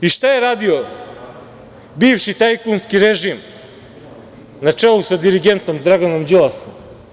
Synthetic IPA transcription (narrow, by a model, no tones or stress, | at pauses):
iʃt̪ajeɾaːd̪io | bifʃit̪ajkunskiɾɛʒim | nat͡ʃɛlˠusad̪iɾiɡent̪omd̪ɾaɡanomd͡ʒilˠasom